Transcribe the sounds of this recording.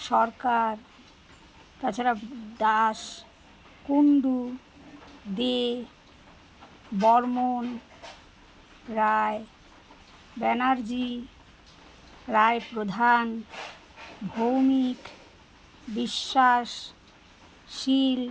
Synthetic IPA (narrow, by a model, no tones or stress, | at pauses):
ʃɔɾkaɾ | t̪at͡ɕʰaɾad̪aʃ | kunɖ̪u | d̪e | bɔɾmon | ɾae | bɛnaɾd͡ʑi | ɾaepɾod̪ʱan | bʱowmik | biʃːaʃ | ʃil